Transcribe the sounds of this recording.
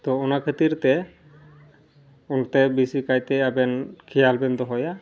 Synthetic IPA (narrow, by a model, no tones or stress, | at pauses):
t̪ɔɔnakʰət̪iɾt̪ɛ | unt̪ɛbisikajt̪ɛabɛnkʰijalbɛnd̪ɔɦɔja